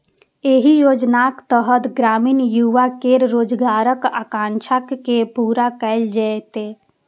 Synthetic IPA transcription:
eɦijoːd͡ʒnakt̪əɦət̪ɡɾaːmiːnjuʋakeɾɾoːd͡ʒɡaːɾəkakãːnt͡ʃʰakːepuːɾakəɪld͡ʒaet̪e

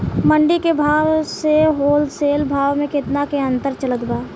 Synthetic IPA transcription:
məɳɖikebʱaːwseɦoːlseːlbʱaːʋmẽkɪt̪nakeɐ̃nt̪əɾt͡ʃələd̪baː

